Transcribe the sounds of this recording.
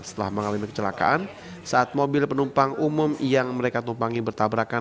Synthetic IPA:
sə̥t̪əla̰hməŋalamikə̥t͡ʃəlaka̰ʔan | saat̪̚mobɪlpənumpaŋʔumʊmjaŋməɾekat̪umpaŋibərt̪abɾaka

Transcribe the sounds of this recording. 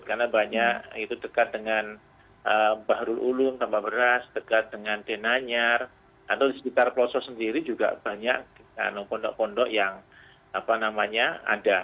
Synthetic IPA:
karnabaɲaʔit̪udəkat̪̚dəŋan | əbaɦɾʊlʔulʊnt̪ampabəɾasd̥əkat̪̚dəŋant̪enaɲar | kat̪awdispit̪arplɔsɔsəndiɾid͡ʒuɡa̰ʔb̥aɲaʔa̰npɔndɔʔpɔndɔʔjaŋ | apanamaɲaa̰da

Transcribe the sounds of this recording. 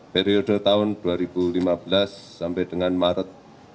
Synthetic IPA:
peɾiodə̤t̪aʊnd̥uaɾib̥ulimabəlasːampɛd̥əŋanmaɾət̪̚

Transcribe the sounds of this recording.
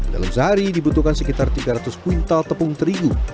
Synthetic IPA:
da̰lamsaaɾidibut̪ukansəkit̪art̪iɡaɾat̪ʊskuint̪alt̪əpʊŋt̪əɾiɡu

